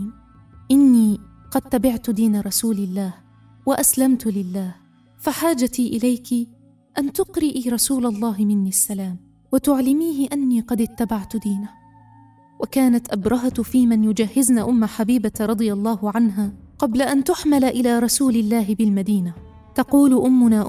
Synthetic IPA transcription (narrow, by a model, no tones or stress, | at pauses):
ʔɪnːiː | qɑd̪̚t̪abɪʕt̪ʊd̪iːnaɾˤɑsuːlɪlːaːh | waʔaslamt̪ʊlɪlːaːh | faħaːd͡ʒat̪iːʔɪlajkɪ | ʔant̪ʊqɾɪʔiːɾˤɑsuːlalˤːɑːɦɪmɪnːiasːalaːm | wat̪ʊʕlɪmiːhɪʔanːiːqɑd̪ɪt̪ːabaʕt̪ʊd̪iːna | wakaːnat̪ʔabɾˤɑɦat̪fiːmɪnjʊd͡ʒahːɪznaːʔʊmːaħabiːbat̪ɾˤɑd̪ˤɨjɑlˤːɑːhʊʕanɦaːqɑblaʔant̪ʊħmalʔɪlaːɾˤɑsuːlɪlːaːɦɪbɪlmad̪iːna | t̪ɑquːlʔʊmːʊnaːʔ